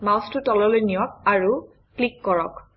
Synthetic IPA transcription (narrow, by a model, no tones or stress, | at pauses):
mawstʊtɔlɔlojnijɔk̚aɹu | klikːɔɹɔk